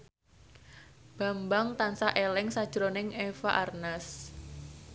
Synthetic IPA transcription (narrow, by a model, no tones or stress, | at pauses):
b̥a̤mbaŋt̪ansaʔelɪŋsad̥ʒ̥ɾonɪŋefaʔarnas